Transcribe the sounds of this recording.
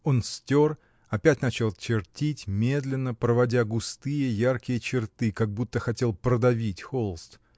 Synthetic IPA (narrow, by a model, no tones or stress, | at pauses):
o̞nsʲtʲo̞r | ɐpʲætʲnat͡ɕɪlˠt͡ɕɪrtʲitʲmʲe̞d̪lʲɪnːəpɾəvɐdʲaɡʊst̪ɨjəjarkʲɪjət͡ɕɪrt̪ɨkɐɡ̚but̪ːəxɐtʲe̞lˠpɾəd̪ɐvʲitʲxolˠst̪